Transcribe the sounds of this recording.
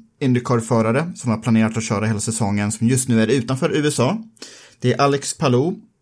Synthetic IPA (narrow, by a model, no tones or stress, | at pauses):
ɪnd̪əɾkʰoːɾfœːɾaɾəsɔmhaɾpʰlaneːɾat̪ɔɕœːɾaheːlasɛsɔŋːənsɔmjɵst̪nʉ̟ːæɾʉ̟ːt̪anfœːɾʉ̟ːɛsɑːd̪̥ɛæɾʔalːɛkspʰalu